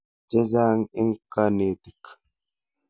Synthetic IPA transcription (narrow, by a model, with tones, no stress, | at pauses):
d͡ʒɐ˦zaː˦ŋɪ˦ŋkːaneː˨t̪ɪkː